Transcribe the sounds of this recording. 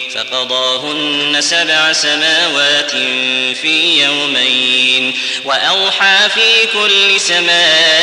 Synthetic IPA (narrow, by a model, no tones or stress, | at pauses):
fɑ̰qɑd̪ˤɑːɦʊnːasabʕasamaːwaːt̪ɪmfiːjawmajn | waʔɑwħɑːfiːkʊlːɪsamaː